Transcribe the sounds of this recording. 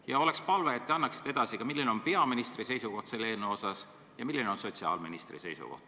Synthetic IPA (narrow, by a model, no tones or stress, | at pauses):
jɑo̞le̞kspɑlve̞ːt̪ːeɑnːɑksi̥t̪ːeed̪̥ɑsikɑmilːineo̞npe̞ɑminist̪rise̞jsuko̞ht̪se̞lːeːlnːeo̞sɑs | jɑmilːine̞o̞nso̞tʲsiɑ̰ːlmḭnist̪rḭse̞̰jsṵko̞̰ht̪